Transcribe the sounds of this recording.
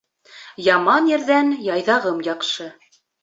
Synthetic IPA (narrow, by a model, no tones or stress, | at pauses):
jɑmɑnjɘ̆ɾðænjɑjðɑʁɤmjɑqʃɤ